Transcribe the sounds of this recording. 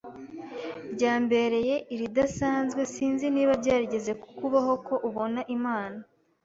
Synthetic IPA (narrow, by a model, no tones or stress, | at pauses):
ɾɟaːmbe̞ɾe̞je̞ʔiɾidasaːnzɡwe̞siːnziniːβabɟaːɾiɟe̞ze̞ku̥kuβaɦo̞ko̞ʔuβo̞naʔimaːna